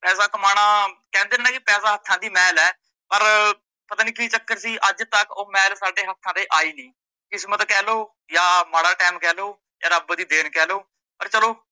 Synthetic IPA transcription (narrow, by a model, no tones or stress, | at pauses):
pɛːsaːkəmaːɽãːkɛ̃ːnd̪eːnːnãːkɪpɛːsaːɦət̪ʰːãːd̪iːmɛːlɛː | pəɾ | pət̪aːniːkiːt͡ʃəkːəɾsiːʔəd͡ʒt̪əkoːmɛːlsaːɖeːɦət̪ʰːãːd̪eːʔaːiːnĩː | kɪsmət̪kɛːloː | jaːmaːɽaːʈɛːmkɛːloː | jaːɾəbd̪iːd̪eːnkɛːloː | pəɾt͡ʃəloː